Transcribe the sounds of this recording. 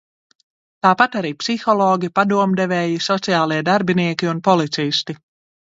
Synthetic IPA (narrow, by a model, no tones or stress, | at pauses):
t̪aːpat̪aɾiːpsixɔlˠɔːɡʲipad̪uɔmd̪ɛvɛːjisɔt̪siaːlˠiɛd̪aɾbiniɛkʲiunpɔlˠit̪sist̪i